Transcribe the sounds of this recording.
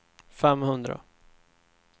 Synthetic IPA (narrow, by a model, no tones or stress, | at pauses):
fɛmːhɵnd̪ɾa̰